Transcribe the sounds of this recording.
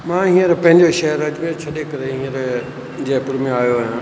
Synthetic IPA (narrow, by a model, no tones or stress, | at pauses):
mãːɦĩːəɾpɐ̃ɦɪ̃ɲd͡ʑoʃɐɦəɾɐd͡ʑmẽt͡ɕʰɐɗekɐɾeɦĩːəɾ | d͡ʑeːpʊɾmẽaːjoaːjã